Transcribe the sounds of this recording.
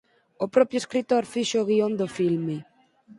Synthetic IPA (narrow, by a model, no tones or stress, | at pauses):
opɾɔpjoeskɾit̪oɾfiʃoːɣiond̪ofilme